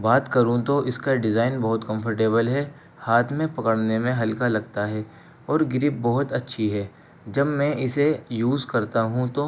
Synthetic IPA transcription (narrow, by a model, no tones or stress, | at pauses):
baːt̪kɐɾũt̪oʔɪskaɖɪzaːɪnbɐɦʊt̪kɐ̃mpʰəɾʈeːbəlɦɛ | haːt̪ʰmẽpɐkəɽnemẽɦɐlkalɐɡ̚t̪aɦɛː | ɔːɾɡɪɾɪp̚bɔɦʊt̪ɐtːʃʰiɦɛː | d͡ʒɐbmɛ̃ʔɪsejuːzkɐɾt̪aɦũt̪o